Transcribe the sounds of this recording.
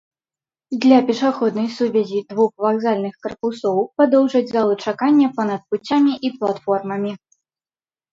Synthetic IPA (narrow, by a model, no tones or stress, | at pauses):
d̪lʲɐpʲɛʂaxɔd̪nɐjsuvʲɛzʲid̪vuxvaɣzalʲnɨxkɐrpusɔwpad̪ɔwʐɐd͡zʲzalˠɨt͡ʂakanʲːɛpɐnɐt̪̚put͡sʲːamʲiʔiplˠat̪fɔrmɐmʲi